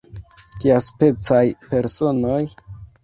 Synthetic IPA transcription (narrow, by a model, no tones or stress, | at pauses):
kiaspe̞t͡sajpe̞ɾso̞no̞j